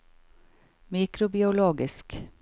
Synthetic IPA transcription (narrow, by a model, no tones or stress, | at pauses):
miːkɾʊbɪʊloːɡɪsk